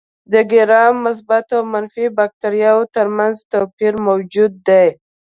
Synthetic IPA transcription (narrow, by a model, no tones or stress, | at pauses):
d̪əɡɪɾɑmːʊs̬bat̪awmanfibak̚t̪aɾjɑwot̪əɾmanzt̪apiɾmawd͡ʒud̪ːaj